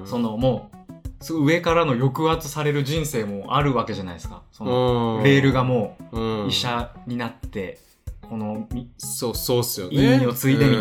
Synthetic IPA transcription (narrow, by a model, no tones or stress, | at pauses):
so̞no̞mo̞ːsoɯ̟e̞kaɾano̞jo̞kɯ̟at͡sɨ̥saɾe̞ɾɯ̟ʑĩɰ̃se̞ːmo̞aɾɯ̟βake̞ʑanaisɨ̥ka̰sonoɾe̞ːɾɯ̟ɡamo̞ːiɕaɲ̟inat̪ːe̞ | ko̞no̞mʲisosoːsɨjoiaɲio̞t͡sɨie̞mʲi